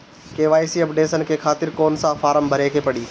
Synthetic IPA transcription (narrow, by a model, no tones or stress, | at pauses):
keːʋaːisiɐpɖeːsənkʰexʰaːt̪ɪɾkoːnsãfaːɾəmbʱɐɾekʰeːpɐɽiː